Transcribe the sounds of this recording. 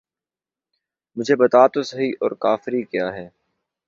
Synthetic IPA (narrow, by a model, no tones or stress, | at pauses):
mʊd͡ʒʱebɐt̪aːt̪osɐɦiʔɔ̰ːɾkaːfɪɾikjaːɦɛː